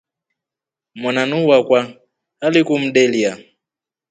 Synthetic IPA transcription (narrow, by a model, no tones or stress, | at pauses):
mananuwakwa | alikum̩ɗɛlia